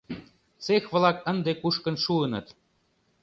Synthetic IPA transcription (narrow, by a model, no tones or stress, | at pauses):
t͡sexβlɑkə̆nd̪ekuʃkə̆nʃuənɤ̆t̪